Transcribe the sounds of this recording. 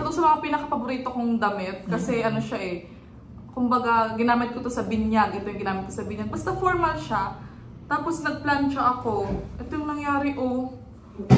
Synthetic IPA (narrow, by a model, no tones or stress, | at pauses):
ʔɛt̪oŋsɐmɐŋapiːnɐkɐfɐboɾiːt̪okoŋd̪ɐmɛt̪̚kɐsɛʔɐno̞ʃaʔɛ | kʊmbɐɡaɡɪnaːmɪt̪̚kot̪o̞sɐbɪnjaɡʔɛt̪ojʊŋɡɪnaːmɪt̪̚kosɐbɪɲaɡ̚bɐst̪ɐfoɹmɐlʃa | t̪aːpo̞snɐɡ̚plant͡ʃɐʔɐko̞ʔɛt̪ojʊŋnɐŋjaːɾɪʔo